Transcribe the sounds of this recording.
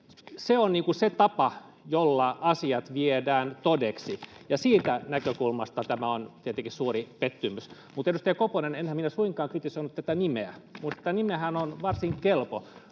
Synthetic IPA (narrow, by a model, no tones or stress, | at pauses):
seonniːŋkuset̪ɑpɑ | jolːɑɑsiɑt̪ʋiedæːnt̪odeksijɑsiːt̪ænækøkulmɑst̪ɑt̪æmæont̪iet̪eŋkissuːripet̪ːymys | mut̪endust̪ejkoponenenhæminæsuiŋkɑːŋkrit̪isoinut̪æt̪ænimeæ̰mut̪t̪æt̪ænimehænonʋɑrsiŋkkelpo